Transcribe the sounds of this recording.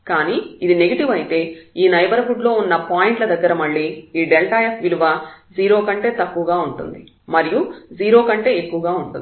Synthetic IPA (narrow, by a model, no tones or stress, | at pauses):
kaːniːid̪ine̞ɡɐʈiʋɐjit̪e̞ːiːnɐjbɐɾɐfuɖlo̞ːunːɐpaːjiɳʈlɐd̪ɐɡːɐɾɐmɐɭːiːɖelʈaːjepʋiluʋɐd͡ʒiːɾo̞ːkɐɳʈe̞ːt̪ɐkːuʋɐɡaːuɳʈṵnd̪i | mɐɾijud͡ʒiːɾo̞ːkɐɳʈe̞ːekːuʋɐɡaːuɳʈṵnd̪